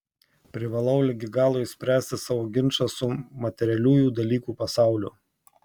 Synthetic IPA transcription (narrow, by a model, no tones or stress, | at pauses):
pʲɾʲɪʋɐlˠɐʊlʲɛɡʲɪɡɑːlˠoːɪsʲpʲɾʲæːsʲt̪ʲɪsɑːʋoːɡʲɪnʃɐsʊmɐt̪ʲɛɾʲɛlʲuːjuːd̪ɐlʲiːkuːpɐsɑˑʊlʲʊ̰